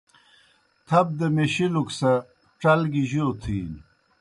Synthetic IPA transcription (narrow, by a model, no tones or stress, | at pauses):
t̪ʰɐb̚d̪emeɕiluksɐ | ʈ͡ʂɐlɡiʑot̪ʰiːn